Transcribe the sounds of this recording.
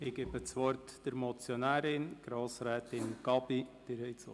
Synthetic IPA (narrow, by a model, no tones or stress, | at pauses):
ɪɡ̥eːbət͡sʋɔrtd̥əɾmɔt͡sjonæːɾɪnɡ̥ɾoːsɾɛːtɪnɡ̥ɑbid̥ɪɾhɛɪt͡so̰